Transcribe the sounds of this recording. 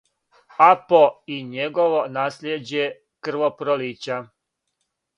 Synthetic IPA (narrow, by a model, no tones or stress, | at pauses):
apoiɲeɡoʋonaːsljed͡ʑe | kr̩ʋopɾoliːt͡ɕa